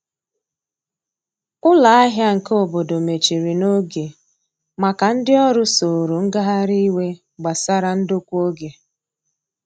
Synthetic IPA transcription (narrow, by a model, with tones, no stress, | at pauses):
ʊ˦la˨a˦ɦja˦ŋ̩˨ko˦bo˨do˨me˨t͡ʃi˨ɾi˨no˦ɡe˨ | ma˨ka˨n̩˦dɪ˦ɔ˦ɾʊ˦so˨ɾu˨ŋ̩˦ɡa˦ɦa˦ɾi˦we˦ | ɡ͡ba˨sa˦ɾa˦n̩˦do˦kʷu˦o˦ɡe˨